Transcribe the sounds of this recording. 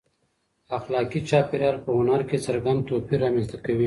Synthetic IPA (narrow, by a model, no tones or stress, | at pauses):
ɐxlɑːkit͡ʃaːpeɾjɑːɾpəʊnaɾkesɐɾɡan̚t̪opiɾamẽnst̪akɐwi